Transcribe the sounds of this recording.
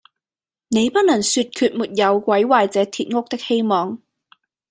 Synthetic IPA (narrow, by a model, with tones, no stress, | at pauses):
ne˨˧jpɐ˥t̚nɐ˨˩ŋsyː˧t̚kʰyː˧t̚muː˨t̚jɐ˨˧wkʷɐ˨˥jwaː˨jt͡sɛː˨˥t̪ʰiː˨t̚ŋʊ˥k̚t̪ɪ˥k̚he˥jmɔː˨˧ŋ